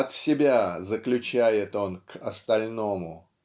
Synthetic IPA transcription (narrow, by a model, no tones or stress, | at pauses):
ɐt̪sʲɪbʲazəklʲʉt͡ɕæjɪt̪o̞nkʰɐst̪ɐlʲno̞mʊ